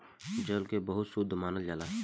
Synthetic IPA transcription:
d͡ʒəlkebəɦʊt̪sud̪ʱːmaːnəld͡ʒaːlaː

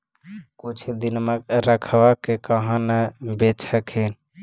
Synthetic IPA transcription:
kut͡ʃʰd̪inmeɾəkʰbakekəɦənebet͡ʃʰəkɦen

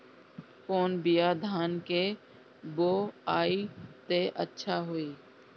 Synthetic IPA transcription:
koːnbɪjaːd̪ʱaːnkeː | boːaːit̪eʔə̰tːʃʰaːɦoːiː

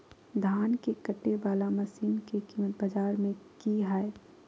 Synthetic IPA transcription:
d̪ʱaːnkekɐʈːebaːlamɐsiːnkekiːmət̪bɐd͡ʒaːɾmẽkiɦae

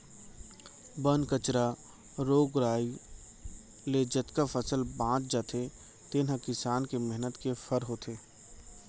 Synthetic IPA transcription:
bənkət͡ʃɾa | ɾoːɡɾaːi | led͡ʒɐt̪kafəsəlbãːt͡ʃd͡ʒat̪ʰe | t̪enɦə̃kɪsaːnkemɛɦnət̪kefʰəɾɦoːt̪ʰeː

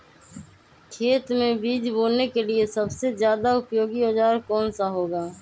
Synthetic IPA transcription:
kʰeːt̪mẽbiːd͡ʒboːnːekelɪesəbsezjaːd̪aʊpjoːɡioːd͡ʒaːɾkɔːnsaɦoːɡaː

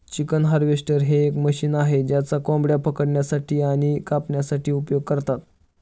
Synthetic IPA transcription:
t͡ɕikənɦaɾʋesʈəɾɦeːkməɕiːnaɦed͡ʑjat͡sakɔ̃mbɽjapəkəɽɳjasaʈiːaɽ̃ikapɳjasaʈʰiːupjoɡ̚kəɾt̪at̪̚

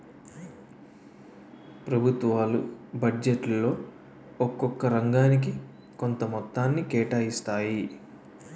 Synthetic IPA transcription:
pɾɐbʱut̪ʋaːlṵbʱɐd͡ʒeʈlo̞ː | ɔkːɔkːɐɾɐŋɡaːnik̬i | ko̞nt̪ɐmɔt̪ːaːnːikɛːʈaːjist̪aːji

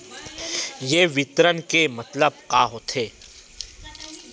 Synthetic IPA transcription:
jeːʋɪt̪ɾənkemɐt̪ləb̚kaːɦot̪ʰeː

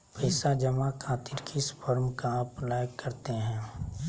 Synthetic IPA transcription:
pəɪsad͡ʒɐmakʰaːt̪ɪɾkɪspʰəɾmkaɐplaːjəkːɐɾt̪eɦɛ̃ː

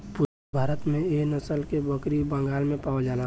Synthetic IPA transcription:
pʊ | bʱaːɾət̪mẽenəsəlkebəkɾibə̃ŋɡaːlmẽpaːod͡ʒaːna

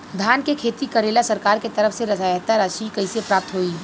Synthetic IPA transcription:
d̪ʱaːnkekʰeːt̪ikɐɾeːlasɐɾkaːɾket̪ɐɾəfseɾɐsaːjət̪əɾaːʃikɐisepɾaːp̚t̪ɦoːiː

